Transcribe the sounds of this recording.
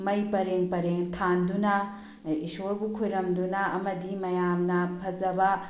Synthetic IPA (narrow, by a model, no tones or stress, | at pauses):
mɐjpɐɾeŋpɐɾeŋtʰandunɐ | isoɾbukʰojɾɐmdunɐɐmɐdimɐjamnɐpʰɐzɐbɐ